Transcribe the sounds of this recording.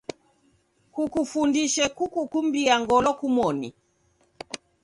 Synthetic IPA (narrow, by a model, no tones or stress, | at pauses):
kukufundiʃɛkukukumbiaŋɡɔlɔkumɔnḭ